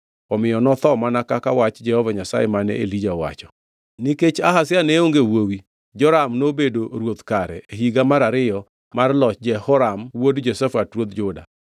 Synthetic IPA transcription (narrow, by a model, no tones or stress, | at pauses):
ɔmɪjɔnɔt̪ɔmanakakawat͡ʃd͡ʒɛhɔvaɲasa̰jɛmanɛ̰ʔḛlid͡ʒawa̰t͡ʃɔ̥ | niket͡ʃaɦasɪjaneoŋɡewowi | d͡ʒɔɾamnobedoɾwot̪kaɾɛeɦiɡamaɾaɾɪjɔ | marlɔt͡ʃd͡ʒɛhɔɾamwodd͡ʒosɛfatɾwod̪d͡ʒʊda̰